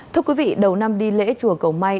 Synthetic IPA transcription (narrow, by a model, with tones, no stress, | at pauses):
t̪ʰɨ˧əkwi˨˦vḭ˧˨ɗə˨˩wna˧mɗi˧lḛ˧˥t͡ɕu˨˩əkə˨˩wma˧j